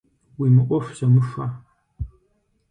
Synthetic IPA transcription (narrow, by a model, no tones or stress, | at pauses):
wiːmɨʔʷɔfzɐmɨʂʷa